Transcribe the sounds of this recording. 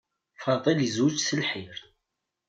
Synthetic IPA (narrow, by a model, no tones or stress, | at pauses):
fɑðˤəljəzwəd͡ʒsəlħiɾ